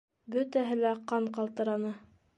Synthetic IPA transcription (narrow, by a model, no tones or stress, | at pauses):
bɵt̪æɦɘlæqɑɴqɑlˠt̪ɤ̆ɾɑnɤ